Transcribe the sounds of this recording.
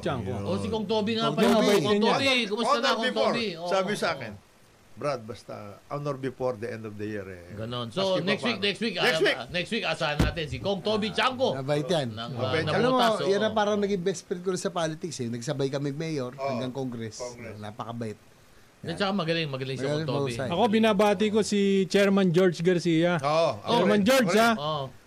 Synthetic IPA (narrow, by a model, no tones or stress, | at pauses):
t͡ʃaŋkoʔosɪkoŋt̪oːbɪŋapɐoonbkʊmʊsɐnakot̪ooɾbiosaːbɪosaːkɛ̰n | bɾad̪̚bɐst̪ɐ̰ʔanoɾbɪfoɾd̪ɐʔɛnd̪ofd̪ɐjiɾɛ̰ɡɐnonsonɛkswik̚nɛkst̪wiknɛswinɛkswikɐʔsaːhɐnːa̰ːt̪ɪnsikoŋt̪obit͡ʃaŋkonɐbajt̪janɐnɐɐlomojanːɐpaːɾɐŋnɐɡɪmbɛspɛɾɐt̪̚koɾɐsɐpaːlɪt̪ɪksɪnɐɡsɐbajkɐmɪɡ̚mɛːjoɾhɐŋɡɐŋkoŋɡɾɛsna̰ːpɐkɐbɐʔɪt̪̚ | ɐt͡ʃɐkamɐɡɐlɪŋmɐɡɐlɪŋmɐɡɐlɪɐuːsajʔɐko̞bɪnaːbaːt̪̬ɪko̞sɪt͡ʃɛɹmɐnd͡ʒoɹd͡ʒɡɐɾsiːjɐoɛmɐnd͡ʒoɹao